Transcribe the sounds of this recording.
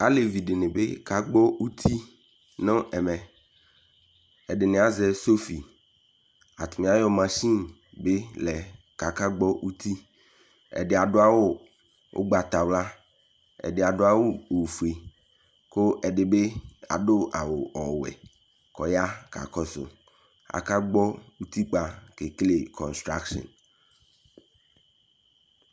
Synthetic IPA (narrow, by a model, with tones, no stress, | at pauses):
a˦le˨vi˨dɪ˨nɪ̃˨be˦ka˨ɡ͡bɔ˦u˦t̪ʰi˦ | nõ˦ʔɛ˨mɛ̃˨ | ɛ˨ɖɪ˨nɪ̃˨a˨˦zɛ˦so˦fi˨ | a˨t̪ʊ˨mẽ˨a˦jɔ˦mã˨sĩ˦ | be˦lɛ˨ | ka˨ka˦ɡ͡bɔ˦ʔu˦t̪ʰi˦ | ɛ̰˨dɪ˨a˨ɖʊ˦a˦wo˦ | ʔo̰˦ɡ͡ba˨t̪a˨wla˦ | ɛ̰˨dɪ˨a˨dʊ˦a˦wʊ˦o˨fu˨e˨ | kʊ˦ʔɛ˨ɖɪ˨be˦a̰˨ɖʊ˦a˨wʊ˨ɔ˨wɛ̰˨ | kɔ˨ja˦ka̰˨kɔ˦sʊ̰˨ | a̰˨ka˦ɡ͡bɔ˦u˦t̪i˦k͡pa˨ke˨kle˨kʰɔ̃˨nst̪ɾa˦kʃɔ̰̃˨n